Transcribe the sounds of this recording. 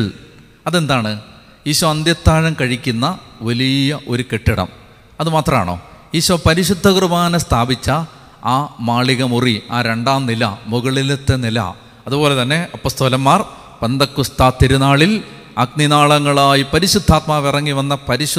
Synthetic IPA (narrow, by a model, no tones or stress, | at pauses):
ɭ | ɐðend̪aːɳɨ | jiːɕuʋɐnd̪jɐt̪ːaːɻɐmkɐɻikʲːunːɐʋɐlijɐʔo̞ɾukeʈːiɽɐ̰m | ɐðumaːt̪rɐma̰ːɳo̰ː | jiːɕuʋɐpɐɾiɕud̪ʱːɐkrɨbaːnɐst̪ʰaːbit͡ɕːɐ | aːmaːɭiɣɐmuriaːɾe̞ɳɖaːmnilɐmuɣɐɭilet̪ːe̞nilɐ̰ | ɐðubo̞ːle̞t̪ɐnːe̞ɐpːoːst̪oːlɐmːaːr | pe̞nd̪ɐkːust̪aːt̪ːiɾunaːɭil | ɐɡninaːɭɐŋːɐɭaːjipɐɾiɕud̪ʱːaːt̪maːʋirɐŋːiʋɐnːɐpɐɾiɕu